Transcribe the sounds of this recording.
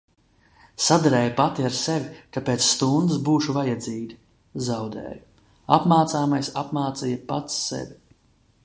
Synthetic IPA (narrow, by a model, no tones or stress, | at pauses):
sad̪aɾɛːjupat̪iaɾsevʲikapeːt̪sst̪und̪ɨsbuːʃuvajad̪ziːɡ̪ʲi | zawd̪ɛ̰ːju | a̰pmaːt̪saːmajsapmaːt̪sijapat̪sːḛvʲi